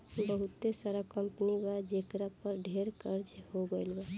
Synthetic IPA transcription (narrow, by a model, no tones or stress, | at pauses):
bəɦut̪ːesaɾakəmpniɡad͡ʒekɾapəɾɖʱeɾkəɾt͡ʃhoɡelba